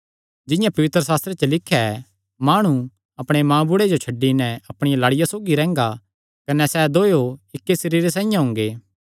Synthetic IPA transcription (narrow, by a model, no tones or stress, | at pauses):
d͡ʒɪ̃jãpɐʋɪt̪ɾəsaːst̪ɾet͡ʃəlɪkʰːjaɛ | maːɽ̃u | ɐpɽ̃emãːbʊɽed͡ʒot͡ʃʰɐɖːinɛɐpɽ̃ɪjalaːɽɪjasoːɡiɾɛ̃ːŋ̆ɡa | kɐnɛsɛd̪oːjoɪkːesɐɾiːɾes̬ãːɪ̃jãɦʊ̃ːŋ̆ɡeː